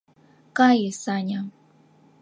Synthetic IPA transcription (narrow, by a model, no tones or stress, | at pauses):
kajesaɲa